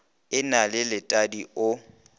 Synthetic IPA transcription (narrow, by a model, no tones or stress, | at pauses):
ɪnalɪlɪtʼadiʊ